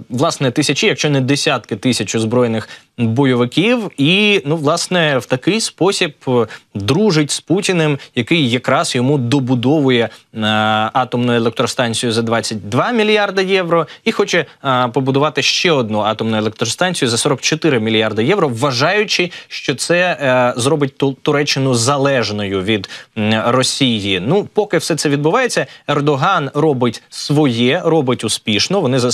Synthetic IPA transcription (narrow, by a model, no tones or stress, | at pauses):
ʋlˠɑsnɛt̪ɪsʲɐt͡ʃijɐkʃt͡ʃɔnɛd̪esʲat̪kɪt̪ɪsʲɐt͡ʃʊzbɾɔjnɪx | bɔjɔʋɪkʲiwinuʋlˠɑsnɛwt̪ɐkɪjspɔsʲibd̪ɾuʒɪtʲsputʲinɛmjɐkɪjːɐkɾɑzjɔmud̪ɔbʊd̪ɔʋʊjɛ | ɑt̪ɔmnʊjʊelˠɛk̚t̪ɾɔst̪ɑnʲt͡sʲijʊzɐd̪ʋɑt͡sʲːɐt̚ʲd̪ʋɑmʲilʲjɑrd̪ɐjɛʋɾɔixɔt͡ʃɛpɔbʊd̪ʊʋɑt̪ɪʃt͡ʃɛɔd̪̚nuɑt̪ɔmnʊelˠek̚t̪ɾɔst̪ɑnʲt͡sʲijʊzɐsɔɾɔk̚t͡ʃɔt̪ɪɾɪmʲilʲijard̪ɐjɛʋɾɔʋːɐʒɑjʊt͡ʃɪʃt͡ʃɔt̪sɛzɾɔbɪt̚ʲt̪ʊɾɛt͡ʃːɪnʊzɐlˠɛʒnɔjʊʋʲid̪rɔsʲijinupɔkɪwsɛt̪sɛʋʲid̪bʊʋɑjet͡sʲːɐɛrd̪ɔɦɑnrɔbɪtʲsʋɔjɛrɔbɪtʲʊspʲiʃnɔʋɔnɪzɐ